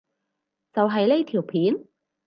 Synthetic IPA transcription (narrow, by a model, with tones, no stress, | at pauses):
t͡sɐ˨wɦɐ˨jle˥jt̪ʰiː˨˩wpʰiː˨˥n